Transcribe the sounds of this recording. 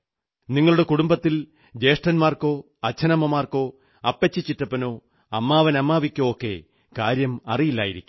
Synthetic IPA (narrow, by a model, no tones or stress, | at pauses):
niŋːɐɭuɽe̞kuɽumbɐt̪ːil | d͡ʑe̞ːʂʈɐnmaːrko̞ː | ɐt͡ɕʰːɐnɐmɐmaːrko̞ː | ɐpːet͡ɕːit͡ɕːitːɐpːɐno̞ː | ɐmːaːʋɐnɐmːaːʋikʲːoːokːe̞̰ | kaːɾjɐmɐrijilːa̰ːjiɾikʲːum